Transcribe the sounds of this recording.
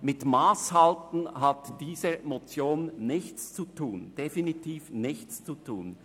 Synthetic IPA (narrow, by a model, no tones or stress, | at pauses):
mɪtmaːshaltn̩ɦatd̥iːzəmot͡sjoːnnɪçt͡st͡sutʰuːnd̥efinitʰiːfnɪçt͡st͡sutʰṵːn